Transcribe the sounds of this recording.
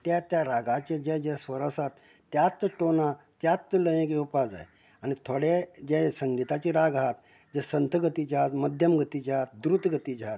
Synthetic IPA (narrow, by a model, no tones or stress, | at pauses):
t̪at̪jaɾaɡʱat͡ɕed͡ʑɛd͡ʑesʋəɾəsat̪ː | jat̪ːʈona | t̪jat̪ːləjẽkeupad͡za̰j | añit̪ʰoɽed͡ʑɛsəŋɡit̪at͡ɕiɾaɡaɦat̪ | d͡ʑɛsənt̪ʰəɡət̪it͡ɕat̪məd̪ʱjəmɡʱət̪it͡ɕat̪̚d̪ɾut̪ɡət̪id͡ʑat̪̚